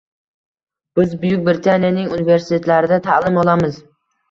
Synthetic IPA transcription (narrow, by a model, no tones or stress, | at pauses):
b̥ɪzbʊjʊk̚ʲbɪɾɪt̪ʰanijanɪŋʊnɪve̞ɾsɪ̥t̪ʰe̞t̪laɾɪd̪at̪ʰalˠɪmɒlˠamɪz